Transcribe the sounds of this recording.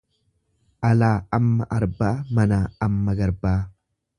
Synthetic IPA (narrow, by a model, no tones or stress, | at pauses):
ʔɐlaːɐmːɐʔɐɾbaːmɐnaːɐmːɐɡɐɾbaː